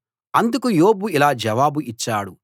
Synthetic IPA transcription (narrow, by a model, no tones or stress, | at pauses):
ɐnd̪ukujoːbuilaːd͡ʒɐʋaːbuʔit͡ʃːaːɽu